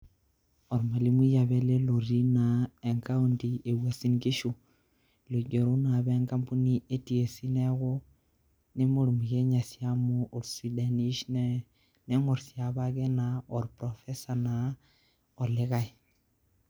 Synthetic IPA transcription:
ɔ˨ɾma˨li˦mi˦ja˨βɛ˦le˦lo˨ɾi˦na˨e˨ŋka˦o˦ndi˨e˨bwa˨si˦nɡi˦ʃu˨ | lo˨ɟo˨ɾo˦na˨bɛ˦ŋka˦mpu˦ni˦e˦ti˨e˨si˦nɛ˦ɣʊ˦ | ne˦mo˨ɾmi˨ɡe˦ɲa˨sja˦moː˦˨ɾsi˨da˨ni˦ʃn | ne˦ŋo˨ɾsja˨βa˦ɡɛ˦na˨ɔ˨ɾpɾɔ˨fɛ˦sa˨na˨ | ɔ˨lɪ˦ɣa˦i˨

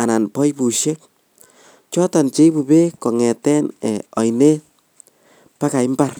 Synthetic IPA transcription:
a˨na˨npɔ˦jbu˨ʃe˦k̚ | t͡ʃɔ˦ta˨nt͡ʃe˦bu˨be˦kɔ˨ŋɛ˨tɛ˦nɛ˨ɔ˨jne˦ | pa˦ka˨ɪ˦mba˦r

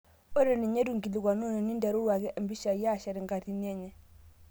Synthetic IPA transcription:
o˦ɾe˨ni˨ɲe˦du˨ŋki˨li˨ɡa˨nu˦ne˨ni˦ndɛ˨ɾu˦wa˨ɡi˦ʔa˨mbi˦ʃa˨ja˦˨ʃa˨ɾi˨ŋɡa˨ti˨ni˦ɛ˦ɲɛ˨

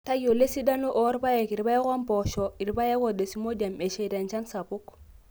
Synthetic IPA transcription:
ta˦ɡo˨le˦si˦da˦nu˦ʔɔ˦ɾba˦je˨ki˨ɾba˦je˦ka˦mpɔ˨ʃɔ˨i˨ɾba˦je˦ko˨de˨si˨˦mo˦da˨me˨ʃe˨da˨nt͡ʃa˦nsa˨pu˦k

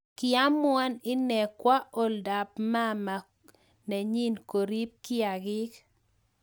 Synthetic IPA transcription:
kɪa˦mwa˦nɪ˦nɛ˨kwa˦ʔo˦lda˨pma˦ma˨ | nɛ˨ɲi˦nko˨ɾi˦p̚kɪ˦a˨ɡɪ˦k

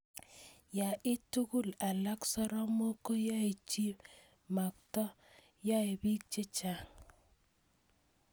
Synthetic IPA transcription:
ja˨ʔɪ˦tu˦ku˦la˨la˦ksɔ˦ɾɔ˦mo˦ko˦ja˦e˨t͡ʃi˦ | ma˨ktɔ˦ | ja˦e˨bi˦k̚t͡ʃe˦t͡ʃa˦˨ŋ

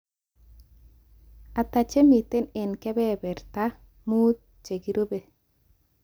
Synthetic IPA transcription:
a˨ta˨t͡ʃe˦mi˨te˦ne˨nkɛ˦bɛ˦bɛ˨rta˦ | mu˦t̪̚ | t͡ʃe˨ɡi˨˦ɾo˦be˨

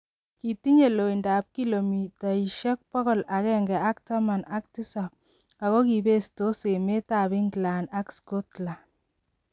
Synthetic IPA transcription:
ki˨ti˦ɲe˨lo˨i˨ndaː˨p̚ki˦lo˨mi˨ta˨i˨ʃɛ˦k̚pɔ˦ɣɔ˦˨la˨kɛ˦ŋɡɛ˨a˦k̚ta˦ma˨na˦k̚ti˦sa˨p̚ | a˨ɣɔ˦ki˨be˦sto˦se˨me˦ta˨bi˦ŋɡla˨na˦ksko˦tla˨

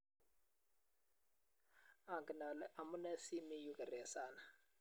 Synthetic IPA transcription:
a˨ŋɡi˨na˨lɛ˦ʔa˨mu˦nɛ˦si˦mi˦ju˨kɛ˨ɾɛ˨saː˨na˨

